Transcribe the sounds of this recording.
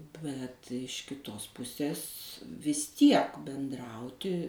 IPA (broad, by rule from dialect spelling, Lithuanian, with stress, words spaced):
bʲɛt ɪʃ kʲɪˈtoːs ˈpʊsʲeːs ʋʲɪs ˈtʲiɛk bʲɛnˈdrɐʊtʲɪ